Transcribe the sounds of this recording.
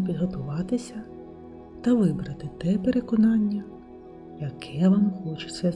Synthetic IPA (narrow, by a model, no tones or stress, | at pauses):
pʲid̪ɦɔt̪ʊʋɑt̪ɪsʲɐ | t̪ɐʋɪbɾɐt̪ɪt̪ɛpeɾe̞kɔnɑnʲːɐ | jɐkʰɛʋɐmxɔt͡ʃe̥sɛ